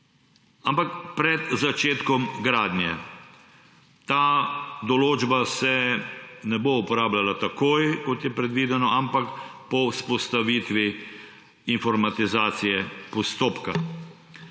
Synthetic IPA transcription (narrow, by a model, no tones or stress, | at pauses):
ampakpɾɛd̪zat͡ʃeːt̪kɔmɡɾaːd̪njɛ | t̪aːd̪ɔloːd͡ʒbasɛ | nɛboupɔɾaːblalat̪akoːjkɔt̪jɛpɾɛd̪ʋiːd̪ɛnɔampakpɔuspɔst̪aʋit̪ʋi | infɔɾmat̪izaːt̪sijɛpɔst̪oːpka